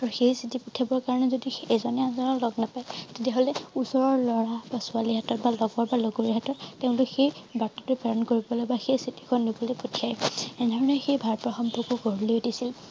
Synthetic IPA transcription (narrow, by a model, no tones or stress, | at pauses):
aɹuxejsitipɔtʰiabɔɹkaɹɔnɛzodiezɔnɛanzɔnɔɹlɔɡnapajtetiaɦolɛusɔɹɔɹlɔɹabasʊaliɦatɔtbalɔɡɔɹbalɔɡoɹiɦatɔtteʊ̃lʊkxejbatɔtɛpaɹɔnkoɹibɔlɔjbaxejsiti̥kʰɔnːibɔlejpɔtʰiajedʱɔɹɔnɔxejbʱaɹpɹɔxɔmpɔkuɡɔɹileodisil